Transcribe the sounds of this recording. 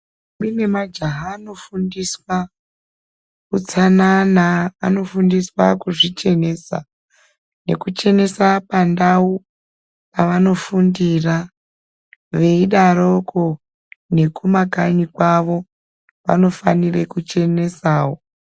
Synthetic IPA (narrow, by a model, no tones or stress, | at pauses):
mine̞mad͡ʒaɦaaːno̞fundiswa | kut͡sanana̰ːno̞fundiswakuʐit͡ʃe̞ne̞ːsa̰ | ne̞̰kut͡ʃe̞ne̞sapandau | paʋano̞fundira | ʋe̞iɗaɾo̞ko | ne̞kumakanikwaʋo̞ | ʋa̰no̞fanirekut͡ʃe̞ne̞saːwo